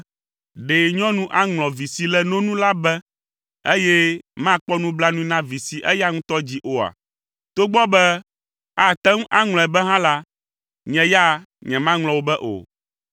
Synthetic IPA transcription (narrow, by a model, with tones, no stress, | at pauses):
ɖe˨ɲɔ̃˦nũ˦ʔa˦ŋlɔ̃˨vi˨si˨lɛ˦nõ˦nũ˦la˦bɛ˦ | e˦jɛ˦mã˦˨k͡pɔ˦nũ˦bla˦nũ˦i˦nã˦vi˨si˨ʔɛ˦ja˦ŋũ˦t̪ɔ˦d͡ʑi˦ʔo˨a̰˨ | t̪o˦ɡ͡bɔ˦bɛ˦ | a˨t̪ɛ˦ŋ̩ũ˦ʔa˦ŋl̃ɔ̃˨ɛ˨bɛ˦ɦã˦la˦ | ɲɛ̃˨ja˦˨ | ɲɛ̃˨mã˦ŋl̃ɔ̃˨wo˦bɛ˦ʔo̰˨